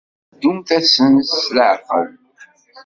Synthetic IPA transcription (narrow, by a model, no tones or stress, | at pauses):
d̪umθæsənsləʕfə̰l